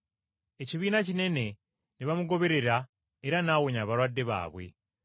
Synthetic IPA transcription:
e̞ciβiːnacine̞ne̞ | niβamuɡo̞βe̞ɾe̞ɾa | eɾanaɣoɲaːβaɾwadːe̞βa̰ːβwe̞̰

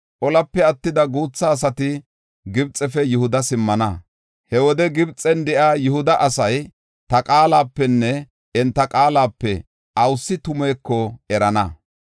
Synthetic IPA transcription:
ʔɔlɐpːɛɐt̪ːɪd̪ɐɡuːt͡sːɐːs̬ɐt̪ɪ | ɡɪbt͡sʼːɛfɛjʊhʊd̪ɐsɪmːɐnɐ | hɛwɔd̪ɛɡɪbt͡sʼːɛnd̪ɛʔaːjʊhʊd̪ɐʔɐsɐj | t̪ɐkʼaːlaːpːɛnːɛ | ɛnt̪ːɐkʼaːlaːpːɛ | ʔɐwsːɪt̪ʊmeːkːɔɛɾɐnɐ̰

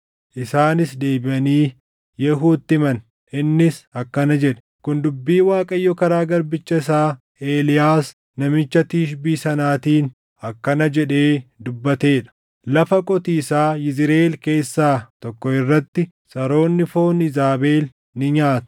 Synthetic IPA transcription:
ʔɪsaːnɪsd̪e̞ːbɪʔɐniː | jɛɦuːt̪ːɪmɐn | ʔɪnːɪsɐkːɐnɐd͡ʒɛᶑɛ̥ | kʊnd̪ʊbːiːwaːkʼɐjːɔkɐɾaːɡɐɾbɪt͡ʃːɐɪsaː | eːlɪjaːs | nɐmɪt͡ʃːɐt̪iːʃbiːsɐnaːt̪iːn | ɐkːɐnɐd͡ʒɛᶑe̞ːd̪ʊbːɐt̪e̞ːᶑɐ̥ | lɐfɐkʼɔt̪iːsaːjɪzɪɾeːlke̞ːsːaːt̪ɔkːɔɪrːɐt̪ːɪ | sʼɐɾo̞ːnːɪfo̞ːnɪzaːbe̞ːl | nɪɲaːt̪ʊ̥

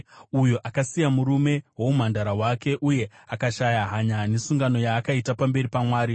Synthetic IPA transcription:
ujoʔakasijamuɾume̞wo̞mum̤andaɾawake̞ʔuje̞ | akaʃajaɦaɲane̞suŋɡano̞jaːkaitapambe̞ɾipamwaːɾi

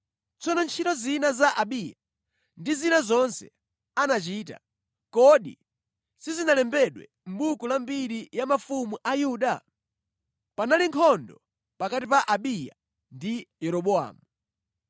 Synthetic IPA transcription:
t͡sɔnɔnt͡ʃʰitɔzinazaʔaɓija | ndizinazɔnsɛ̰ | anat͡ʃiːta̰ | kɔɗḭ | sizinalɛmbɛɗwɛ̰ | m̩ɓukulambiɾijamafumuʔajuɗa | panaliŋkʰɔndɔ | pakatipaʔaɓija̰ | ndijɛɾɔɓɔa̰ːmu

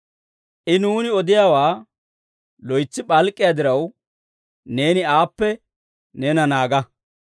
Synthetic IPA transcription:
ʔɪnuːnɪɔd̪ɪjawaː | lɔjt͡sːɪɓʼɐlkʼːɪjad̪ɪɾɐw | ne̞ːnɪaːpːɛ | nɛnɐnaːɡɐ

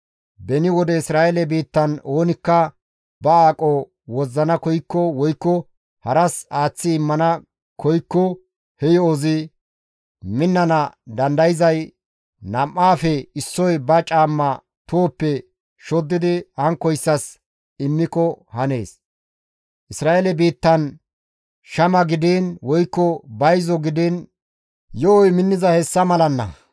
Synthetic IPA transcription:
bɛnɪwɔd̪ɛɪsɾaːʔelɛbiːt̪ːɐnoːnɪkːɐ | bɐaːkʼɔ | wɔzːɐnɐkɔjkːɔwɔjkːɔ | hɐɾɐsaːt͡sːɪːmːɐnɐ | kɔjkːɔ | hɛjɔːzɪ | mɪnːɐnɐd̪ɐnd̪ɐjɪzɐj | nɐmːaːfɛɪsːɔjbɐt͡ʃʼaːmːɐ | t̪oːpːɛ | ʃɔd̪ːɪd̪ɪhɐŋkːɔjsːɐs | ɪmːɪkɔhɐne̞̰ːs | ʔɪsɾaːʔelɛbiːt̪ːɐn | ʃɐmɐɡɪd̪iːnwɔjkːɔbɐjzɔɡɪd̪iːn | jɔɔjmɪnːɪzɐhɛsːɐmɐlɐnːɐ̰

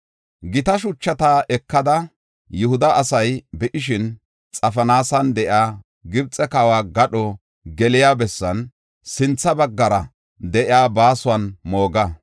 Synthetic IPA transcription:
ɡɪt̪ɐʃʊt͡ʃːɐt̪aːɛkːɐd̪ɐ | jʊhʊd̪ɐʔːsɐjbɛʔɪʃɪn | t͡sʼɐfɐnaːsɐnd̪ɛʔɪaː | ɡɪbt͡sʼɛkaːwaːɡɐɗɔ | ɡɛlɪjaːbɛsːɐn | sɪnt͡sːɐbɐɡːɐɾɐ | d̪ɛʔɪaːbaːsʊwɐnmo̞ːɡɐ

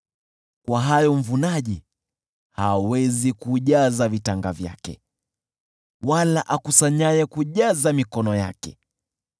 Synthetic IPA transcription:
kwaɦajɔm̩vunaʄi | haːwɛzikuʄazavitaŋɡavja̰kɛ̰ | walaʔakusaɲajɛkuʄazamikɔnɔja̰kɛ

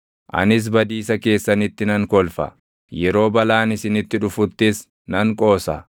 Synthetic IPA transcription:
ʔɐ̰nɪs̬bɐd̪iːsɐke̞ːsːɐnɪt̪ːɪnɐŋkɔlfɐ̰ | jɛɾo̞ːbɐlaːnɪsɪnɪt̪ːɪᶑʊfʊt̪ːɪs | nɐŋkʼo̞ːsɐ

